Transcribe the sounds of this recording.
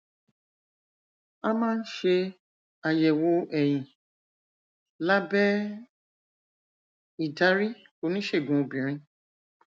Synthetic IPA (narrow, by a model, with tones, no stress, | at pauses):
a˦mãː˦n̩˦ʃe˧ | a˧jɛ˨wo˧ɛ˨j̃ĩ˨ | la˦bɛ˦ | i˨da˨˦ɾi˦ | ko˨˦nĩ˦ʃe˦˨ɡũ˨o˨bĩ˨ɾ̃ĩ˧